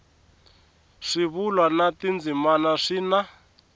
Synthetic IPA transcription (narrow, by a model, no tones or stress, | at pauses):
ʂiβulwanatind͡zimanaʂina